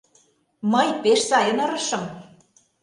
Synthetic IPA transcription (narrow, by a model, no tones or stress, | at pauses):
mɤjpeʃsɑjɤ̆nɤ̆ɾɤ̆ʃɤ̆m